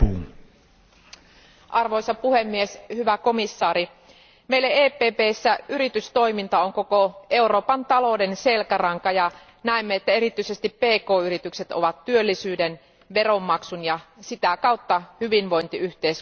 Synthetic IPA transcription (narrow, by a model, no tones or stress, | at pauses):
ʔɑrʋo̞jsɑpuhemːieshyʋæko̞misːɑːɾi | meilːeeːpˑeːpeːsːæyɾit̪yst̪o̞imint̪ɑoŋkokoe̞uɾo̞ːpɑnt̪ɑlo̞de̞nse̞lkærɑŋkɑjɑ | næemːeet̪ːæe̞ɾit̪ːˑyisest̪ippeːko̞ːyɾit̪ykse̞t̪o̰ʋɑt̪tyølːisyːden | ʋe̞ro̞mːɑksunjɑsit̪ækɑwt̪ːɑhyʋinʋo̞jnt̪iyht̪eːs